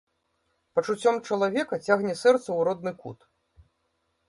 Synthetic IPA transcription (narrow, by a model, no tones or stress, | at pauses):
pɐt͡ʂut͡sʲɔmt͡ʂɐlˠavʲɛkɐt͡sʲaɣnʲɛsɛrt̪sɐwɾɔd̪̚nɨkṵt̪